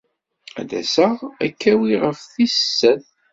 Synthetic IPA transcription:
æ̰ðæ̰səʁækːæwiʁəfθissːən

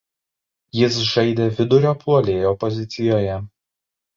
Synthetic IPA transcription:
jɪsʒɐɪd̪ʲeːʋʲɪd̪ʊɾʲoːpʰuɔlʲeːjoːpɔzʲɪt̪sʲɪjoːjɛ

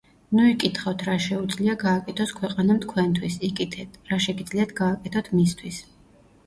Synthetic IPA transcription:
nuikʼit̪ʰχat̪ʰɾaʃɛud̪zliaɡaːkʼɛt̪ʰɔskʰwɛqʼanamt̪̚ʰkʰwɛnt̪ʰwisikʼit̪ʰɛt̪ʰɾaʃɛɡid̪zliat̪ʰɡaːkʼɛt̪ʰɔt̪ʰmist̪ʰwis

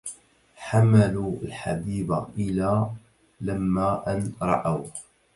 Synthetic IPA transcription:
ħamaluːalħa̰biːba̰ʔɪlaː | lamːaːʔanɾˤɑ̰ʔaw

